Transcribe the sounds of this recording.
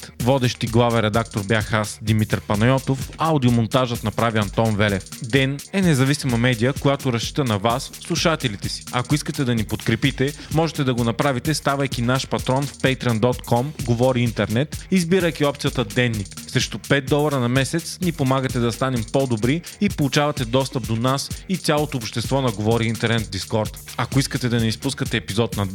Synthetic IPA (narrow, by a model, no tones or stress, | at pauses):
t̪vɔd̪ɛʃt̪iɡlˠavɛɾɛd̪ak̚t̪oɾbjaxasd̪imit̪ɾpɐnɐjɔt̪ofɐwd̪iomont̪aʒət̪nɐpɾaviɐnt̪ɔnvɛlɛfd̪ɛnɛnɛzɐvisimɐmɛd̪ijəkojat̪oɾɐst͡ʃi̥t̪ənɐvasːlˠuʃat̪ɛlit̪ɛsi̥ɐkoiskət̪ɛd̪ɐnipot̪kɾɛpit̪ɛmɔʒɛt̪ɛd̪ɐɡonɐpɾavit̪ɛst̪avɐjkʲinaʃpɐt̪ɾɔnfpɛjt̪ɾiɐnd̪ɔt̪kʰɔmɡovɔɾiint̪ɛɾnɛt̪izbiɾəjkʲiɔp̚t̪sijət̪əd̪ɛnːiksɾɛʃt̪opɛt̪̚d̪ɔlˠɐɾənɐmɛsɛt̪snipomaɡət̪ɛd̪ɐst̪anɛmpɔd̪obɾiːpolˠut͡ʃavɐt̪ɛd̪ɔst̪əp̚d̪onasit̪sʲjalˠot̪oːpʃt̪ɛst̪vɔnɐɡovɔɾiint̪ɛɾnɛt̪̚d̪iskɔɾt̪ɐkoiskət̪ɛd̪ɐnɛispuskət̪ɛːpizɔt̪nɐ